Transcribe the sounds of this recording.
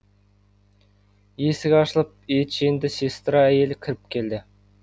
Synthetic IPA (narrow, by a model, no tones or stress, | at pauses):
jesɪɡʲɛɑʃlˠɑp̚et͡ʃʰend̪ɪsʲest̪ɾɑɛjelɪkʲʰɪɾɪp̚kʲʰeld̪ɪ